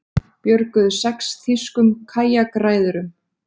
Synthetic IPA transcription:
pjœɾkʏðʏsɛksθiskʏmkʰaːjakɾaːjðʏɾʏm

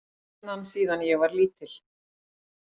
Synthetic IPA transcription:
nansiːðanjɛɣvaɾliːt̪ɪl̥

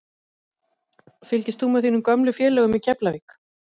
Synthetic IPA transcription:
fɪlcɪst̪θumɛθiːnʏmkœmlʏfjɛːlɛːɣʏmiðcʰɛplavik

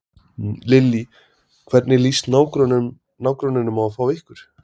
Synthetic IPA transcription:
lɪlːi | kʰvɛɾt̪nɪliːst̪naːwkɾɔn | naːwkɾɔnɪnʏmaafaːwɪhkʏɾ̥

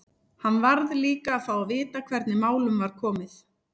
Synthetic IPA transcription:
hanːvaɾðliːkaːðfaːwavɪːt̪akʰv̥ɛɾt̪nɪmaːwlʏmvaɾ̥kʰɔːmɪθ

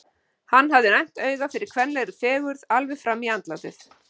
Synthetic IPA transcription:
hanːɦavðɪnajm̥t̪œːɥɣafɪɾɪɾ̥kʰvɛnlɛɾʏ̥fɛːɣʏɾðalvɛfɾamːiant̪last̪ɪθ

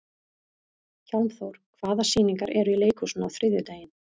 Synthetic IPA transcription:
çawmθowɾ̥kʰv̥aːðasiːniŋkaɾʔɛɾʏileːjkʰusnawθɾɪðjʏt̪aːjɪn̥

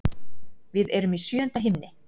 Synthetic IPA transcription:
vɪðɛɾʏmisjœːœnt̪aɦɪmnɪ

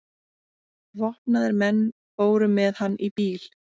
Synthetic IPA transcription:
vɔhpnaðɪɾmɛnː | foːwɾʏmɛðhanːʔipiːl̥

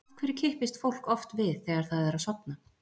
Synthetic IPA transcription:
kʰvɛɾɪɾcʰɪhpɪst̪fowl̥kɔft̪vɪðθɛːɣaɾ̥θaðɛɾaðsɔpna

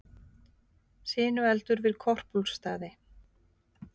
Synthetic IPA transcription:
sɪːnʏɛlt̪ʏɾvɪðkʰɔr̥pulst̪aːðɪ

